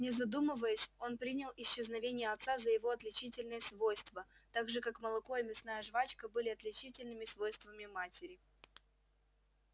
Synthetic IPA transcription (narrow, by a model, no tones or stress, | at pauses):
nʲɪzɐd̪umɨvəjəsʲo̞npɾʲinʲɪlˠɪɕːɪznɐvʲenʲɪjəɐt̪sazəjɪvo̞ɐt̪lʲɪt͡ɕitʲɪlʲnɨjəsvojst̪vət̪aɡʐɨkakməlˠɐko̞ɪmʲɪsnajəʐvat͡ɕkəbɨlʲɪɐt̪lʲɪt͡ɕitʲɪlʲnɨmʲɪsvo̞jst̪vəmʲɪmatʲɪɾʲɪ